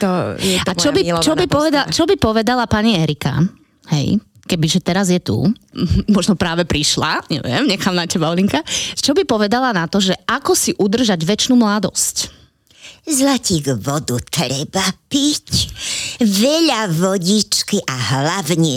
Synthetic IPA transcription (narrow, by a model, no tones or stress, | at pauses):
t̪ɔjɛat͡ʃɔbit͡ʃɔbipɔʋɛd̪at͡ʃɔbipɔʋɛd̪alapaɲiɛɾika̰ | hɛ̰j | kɛbiʒɛt̪ɛɾazjɛt̪ṵmɔʒnɔpɾaːʋɛpɾiʃla̰ɲɛ̰ʋɪɛ̰mɲɛxaːmnacɛbaɔliŋkat͡ʃɔbipɔʋɛd̪alanat̪ɔʒɛʔakɔsiʔud̪r̩ʒaɟʋɛt͡ʃnuːmlad̪ɔ̰sc | zlaciɣʋɔd̪ut̪ɾɛbapic | ʋɛʎaʋɔɟit͡ʃkiʔaɦlaʋɲɛ